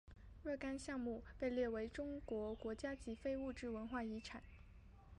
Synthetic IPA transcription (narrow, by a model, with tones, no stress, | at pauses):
ɻə˥˩ka˥nɕjɑ˥˧ŋmu˥˧pe˥˧ɪljɛ˥˩we˧˥ɪʈ͡ʂʊ˥ŋkwɔ˧˥kwɔ˧˥t͡ɕja˥t͡ɕi˧˥fe˥ɪu˥˧ʈ͡ʂɻ̩˥˩wə˧˥nxwa˥˩i˧˥ʈ͡ʂʰa˨˩˦